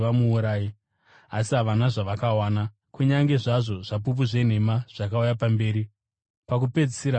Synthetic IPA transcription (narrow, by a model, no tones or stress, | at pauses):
ʋamuːɾaːji | asiɦaʋanaʐaʋakawaːna | kuɲaŋɡe̞ʐaʐo̞ʐap̬up̬uʐe̞n̤e̞maʐ̥akaujapambe̞ːɾi | pakupe̞d͡zisiɾa